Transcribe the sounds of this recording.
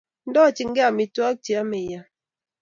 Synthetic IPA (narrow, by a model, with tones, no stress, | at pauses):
n̩˦dɔ˦˨t͡ʃi˨ŋ̩˦ɡɛ˦a˨mi˨twa˦k̚t͡ʃi˨a˦me˨ja˨